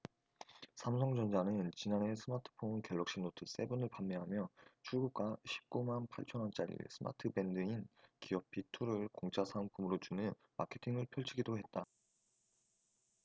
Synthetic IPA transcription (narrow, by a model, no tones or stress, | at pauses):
sʰamsʰʌŋd͡ʑʌnd͡ʑanɯnt͡ɕinane̞sʰɯmatʰɯ̥pʰonkeɭːʌkɕ͈iŋnotʰɯs͈e̞bunɯɭpamːeɦamjʌt͡ɕʰuɭɡuk̚k͈aɕʰi̥p̚k͈umanpʰaɭt͡ɕʰʌnʌnt͡ɕ͈aɾḭɭsʰɯma̰tʰɯbe̞ndɯinkiʌpʰitʰuɾɯɭkoŋt͡ɕʰasʰaŋpʰumɯɾot͡ɕunɯn | ma̰kʰe̞tʰiŋɯɭpʰjʌɭt͡ɕʰiɡidoɦe̞t̚t͈a